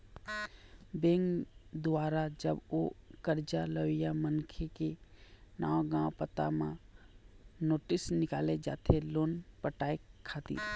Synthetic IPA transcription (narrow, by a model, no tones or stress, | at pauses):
bẽːŋɡd̪ʊwaːɾad͡ʒəbokəɾd͡ʒaləʋɪjamənkʰekenaːwɡãpət̪a̰mã | noːʈɪsnɪkaːled͡ʒa̰ːt̪ʰeloːnpəʈaːekʰːaːt̪ḭː